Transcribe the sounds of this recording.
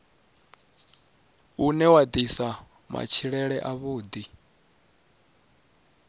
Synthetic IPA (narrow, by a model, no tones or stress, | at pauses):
unɛwad̪isa | mʔa̰t͡ʃʰiɺɛɺɛʔaβuːd̪i